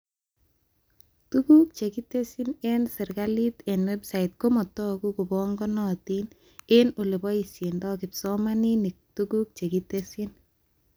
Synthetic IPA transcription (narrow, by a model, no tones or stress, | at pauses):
tukuk̚t͡ʃekitesinensɪrɡalitenwebsait̚komɔtɔkukubɔŋɡɔnɔtin | enolebɔisjendɔkɪpsɔmaninik̚tuɡuk̚t͡ʃekitesin